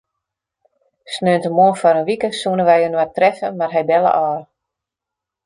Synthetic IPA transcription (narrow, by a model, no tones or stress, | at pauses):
snøːntəmoənfɔɾənʋikəsuənəʋɛjhønʋatrɛfə̰marɦɛjbɛlə̰ʔɔːr